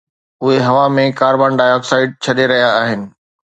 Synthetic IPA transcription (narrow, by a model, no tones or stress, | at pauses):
ʊɦeɦɐʋamẽkaːɾbaːnɖaːjɔːksaːɪɖ̚t͡ɕʰɐɗ̪eɾɐɦijaaːɦɪnɪ̆